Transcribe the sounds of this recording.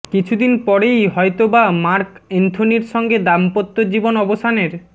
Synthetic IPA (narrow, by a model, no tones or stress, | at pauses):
kit͡ɕʰud̪inpɔɾejɦɔjt̪obamaɾkent̪ʰoniɾʃɔŋɡed̪ampot̪ːod͡ʑibonɔbost̪ʰaneɾ